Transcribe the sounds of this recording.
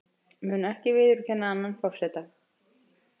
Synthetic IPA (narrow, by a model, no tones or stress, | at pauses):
mʏːnɛhcɪvɪːðʏɾʏcʰɛnːaanːanfɔr̥sɛt̪a